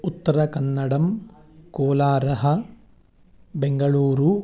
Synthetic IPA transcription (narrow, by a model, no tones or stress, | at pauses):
ut̪ːɐɾɐkɐnːɐɽɐmkoːlaːɾɐɦɐ | beŋɡɐɭuːɾu